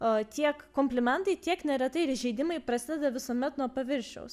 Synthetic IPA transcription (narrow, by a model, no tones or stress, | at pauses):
t̪ʲiɛkkːoːmʲpʲlʲɪmʲɛnt̪ɐɪt̪ʲiɛknʲɛɾʲɛt̪ɐɪɾʒʲɛɪd̪ʲɪmɐɪpɾɐsʲɪd̪ʲɛd̪ɐʋʲɪsuɔmʲɛt̪nuɔpɐʋʲɪɾʲʃʲɛ̰ʊs